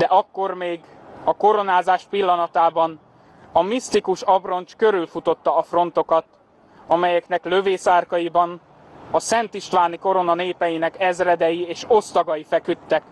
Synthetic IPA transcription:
d̪̥ɛʔɒkːo̞rmeːɡ | ɒko̞ɾo̞naːzaːʃpilːɒnɒt̪aːbɒn | ɒmist̪ikuʃɒbro̞nt͡ʃkøɾylfut̪o̞t̪ːɒːfro̞n̪t̪o̞kɒt̪ | ɒmɛjɛknɛklø̞veːsaːrkɒjibɒn | ɒsɛnt̪iʃt̪ʋaːniko̞ɾo̞nɒneːpɛjinɛkɛzrɛd̪ɛjieːʃo̞st̪ɒɡɒjifɛkyt̪ːɛk

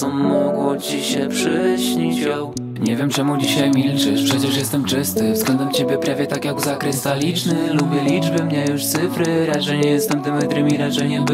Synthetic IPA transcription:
ɔmɔɡwɔt͡ɕiɕɛpʂɛɕɲi | ɲevʲjɛmt͡ʂɛmud͡ʑiɕajmʲilt͡ʂɘʂpʂɛt͡ɕɛʂjɛst̪ɛmt͡ʂɘst̪ɘfz̥ɡ̥lɛnd̪ɛmt͡ɕebʲjɛpɾavʲjɛt̪akʲjakuzakɾɨst̪alʲit͡ʂnɘlubʲjɛlʲid͡ʐbɘmɲɛjuʂt̪sɘfɾɘɾaʐɛɲɛjɛst̪ɛmt̪ɛmɛt̪ɾɘmʲiɾaʐɛɲɛ

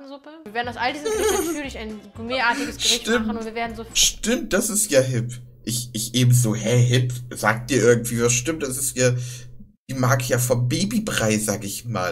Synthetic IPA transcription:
nzʊpəɪveːɐdnaʊsʔaldiːzyːnɪçaɪnɡ̥meːʔaːɐtɪɡəsɡʃəɛtɪtn̩viɐveːɐdn̩zoːʃtɪmt̚d̥asɪstjaːɦɪp | ʔɪçɪçʔeːbm̩zoːhɛɦɪpz̥aːk̚t̚d̥iːɐʔɪɐɡŋ̩tv̥iːvasʃtɪmt̚d̥asɪstjaː | d̥iːmaːkjaːfɔmbeːbibʁaɪzaːɡəɪçma̰ːl

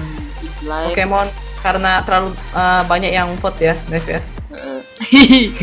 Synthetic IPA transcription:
okemɔn | kaɾənat̪ərlalu | ʔəbaɲakjaŋfɔt̪̚janɛfja

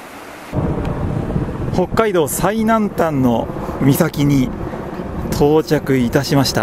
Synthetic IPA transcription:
ho̞kːaid̪o̞ːsainãnt̪ãnːo̞mʲisakʲiɲ̟i | t̪ʰo̞ːt͡ɕakɯ̟it̪aɕimaɕi̥t̪a̰

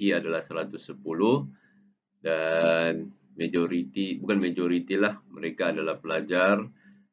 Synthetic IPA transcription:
iadalahsəɾat̪ʊsːəpulʊh | dan | mad͡ʒoɾit̪ibukanmãd͡ʒoɾit̪ilahməɾekaːdalahpəlad͡ʒar

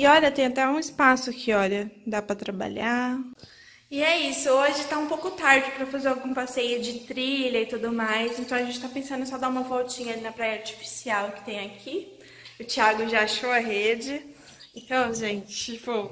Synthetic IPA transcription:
ɪɔʎɐt̪ẽj̃at̪ɛũɪspasʊkʰɪɔʎʲɐd̪apɾɐt̪ɾaba̰ʎa | ɪɛisʊoʒɪt̪aũpowkʊt̪aɾd͡ʒɪpɾɐfazeɾawɡũpasejʊd͡ʒɪt̪ɾiʎɐɪt̪ud̪ʊmajsẽnt̪ɐ̃w̃ɐʒẽnt͡ʃɪt̪apẽsɐ̃nd̪ʊsɔd̪aũmɐvɔwt͡ʃĩɲɐlinɐpɾajɐaɾt͡ʃi̥fi̥siawkɪ̥t̪ẽj̃akʰi | ʊt͡ʃiaɡʊʒaaʃowɐɦed͡ʒɪ | ẽt̪ɐ̃w̃ʒẽt͡ʃt͡ʃpo

